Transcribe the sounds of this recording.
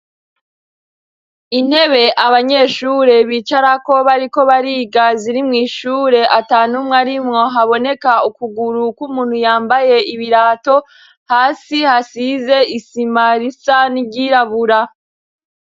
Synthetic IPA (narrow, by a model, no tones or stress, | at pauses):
in̥he̞βe̞ʔaβaɲe̞ʃuːɾe̞βiːt͡ʃaɾako̞βaɾiko̞βaɾiːɡaziɾimŋiːʃuːɾe̞ʔataːnumŋaɾimŋo̞ɦaβo̞ne̞kaukuɡuɾukumuːn̥hujaːmbaje̞iβiɾaːto̞ | haːsihasize̞isimaɾisanibɟiːɾaβuɾa